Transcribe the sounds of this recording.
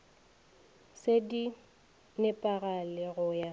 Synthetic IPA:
sedi | nɛpʼaɣalɪɣʊja

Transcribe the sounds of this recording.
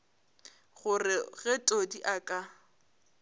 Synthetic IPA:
ɣʊrɪɣɛtʼodiʔakʼa

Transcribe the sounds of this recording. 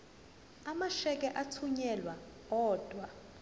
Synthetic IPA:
amaʃɛk̬ʼɛʔatʰuɲɛlwa | ɔːd̥ʱwa

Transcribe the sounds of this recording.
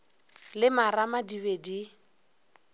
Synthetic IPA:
lɪmaɾamadiβedi

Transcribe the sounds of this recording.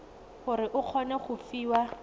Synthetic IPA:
χʊɾɪʔʊq͡χʰɔnɛχʊfiːwa

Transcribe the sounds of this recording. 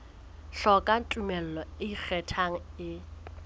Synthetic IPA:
ɬɔkʼan̩tʼumɛl̩lɔɪik͡xʰɛtʰaŋ̩ɪ

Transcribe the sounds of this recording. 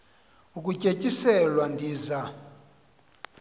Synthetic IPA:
ukʼucʼecʼisɛlwandʱiːza

